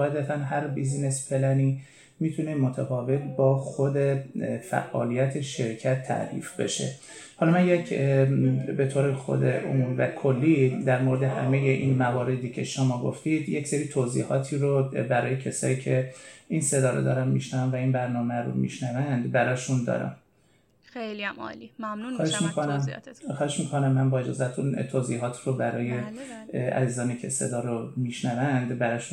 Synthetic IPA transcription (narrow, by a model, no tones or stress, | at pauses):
ɒed̪æfʰænɦæɾbiznesfe̞læniː | miːt̪ʰunemot̪ʰæfɒːve̞t̪bɒːxo̞d̪efæ̰ʔːɒ̰ːlijæt̪ʰe̞ʃe̞ɾcʰæt̪ʰːæ̰ʔɾḭːfbḛʃe̞̰ | hɒlɒmænjecʰ | be̞t̪ʰoːɾexo̰d̪eʔomuɾvækʰolːid̪æɾmoɾed̪ehæ̰mejeʔiːnmævɒːɾe̞d̪iːcʰe̞ʃomɒːɡo̰ft̪id̪jecseɾiːt̪ʰozḭːhɒːt̪ʰiːɾobæɾɒːje̞cʰesɒ̰ːiːcʰe̞inse̞d̪ɒːɾo̰d̪ɒ̰ːɾæmmḭʃnævæmvæiːnbæɾnɒːmæɾo̰mḭʃnævænd̪bæɾɒːʃund̪ɒ̰ːɾæ̰m | xɒːheʃmikʰonæmxɒːheʃmiːkʰo̞næmːænbɒːe̞d͡ʒɒ̰ːzæt̪ʰunt̪ʰoːziːɦɒːt̪ʰɾobæɾɒːjeʔæ̰ziːzɒːniːcʰese̞̰d̪ɒːɾomiːʃnævænd̪bæɾɒːʃun